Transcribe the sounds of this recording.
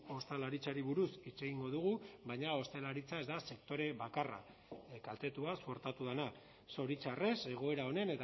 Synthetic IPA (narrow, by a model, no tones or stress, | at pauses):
o̞st̪elaɾit͡saɾiβuɾusit͡se̞ɣiŋɡo̞ð̞uɣ̞uβaɲao̞st̪elaɾit͡saezd̪ase̞kt̪o̞ɾe̞βakara̰ | kalt̪e̞t̪uasuo̞ɾt̪at̪uð̞ena | so̞ɾit͡ʃare̞se̞ɣ̞o̞e̞ɾao̞ne̞ne̞t̪